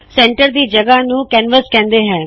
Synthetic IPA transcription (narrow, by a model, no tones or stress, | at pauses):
sɛ̃ːɳʈəɾd̪iːd͡ʒəɡanũːkɛ̃ːnʋəskɛ̃ːnd̪eːɦɛ̃ː